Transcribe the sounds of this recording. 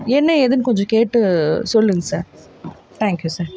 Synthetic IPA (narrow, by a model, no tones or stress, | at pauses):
ɛnːɐɛðɯnɯkɔɲd͡ʒõkeːʈːɯsɔlːɯŋɡɐsaːɾ | t̪ʰaːŋkjuːsaːɾ